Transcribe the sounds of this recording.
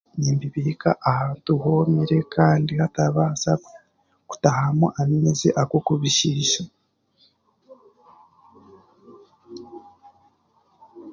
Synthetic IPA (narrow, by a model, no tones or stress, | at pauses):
ɲiːmbiβikaʔahaːntuhomiɾe̞kaːndihataβasa | ku̥tahamoʔaminezeʔakwokuβiʃiʃa